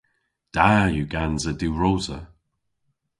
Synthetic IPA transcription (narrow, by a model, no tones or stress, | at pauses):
d̥ajuɡanzəduːɹowzə